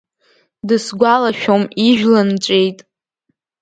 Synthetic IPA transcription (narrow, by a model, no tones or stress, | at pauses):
dɨsɡʷalaʃᶣomiʒᶣlɨnt͡ʃʷʼejtʼ